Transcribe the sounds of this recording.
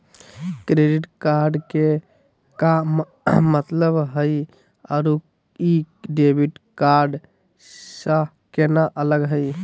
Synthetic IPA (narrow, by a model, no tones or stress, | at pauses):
kɾeɖiʈkaɾɖke | kaː | ət̪ləbɦəj | ɔɾu | i | ɖebʱiʈkaɾɖ | sə̃ | kenaʔələɡɦəj